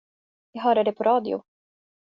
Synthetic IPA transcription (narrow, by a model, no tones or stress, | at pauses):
jɑːɡɦœːɾaɖɛpʰɔɾɑːd̪ɪʊ̰